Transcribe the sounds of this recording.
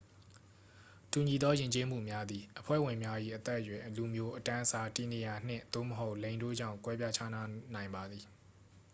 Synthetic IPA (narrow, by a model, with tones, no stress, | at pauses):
tu˨ɲi˨d̪ɔ˦jɪ̃˨ɲt͡ɕe˦m̥ṵ˦˨mja˦d̪i˨ʔəpʰwɛ̰˦˨wɪ̃˨mja˦ʔḭ˦˨ʔət̪ɛ˦ʔjwɪ̃˨ʔlu˨mjo˦ʔətã˦ʔəsa˨ti˨ne˨ja˨n̥ɪ̰̃˦˨d̪̥o̰˦˨məɦo˦ʊʔlẽ˨ɪ̃ndo̰˦˨d͡ʑã̰˦˨ʊ̃ŋkwɛ˦pja˦t͡ɕʰa˦na˦nã˨ɪ̃mba˨d̪ði˨